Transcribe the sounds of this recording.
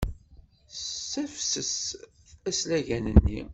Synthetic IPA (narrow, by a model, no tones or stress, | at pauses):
æfsəs | æslæʝænənːi